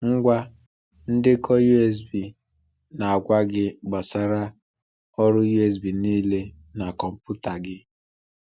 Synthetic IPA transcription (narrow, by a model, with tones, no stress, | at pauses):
ŋ̩˦ɡʷa˦ | n̩˦dɪ˦kɔ˦ju˦e˦s̬bi˨ | na˨a˨ɡʷa˦ɡɪ˦ɡ͡ba˨sa˨ɾa˦ | ɔ˦ɾʊ˦ju˦e˨s̬bi˨niː˦le˦ | na˨kɔ˨m̩˨pu˦ta˨ɡɪ˦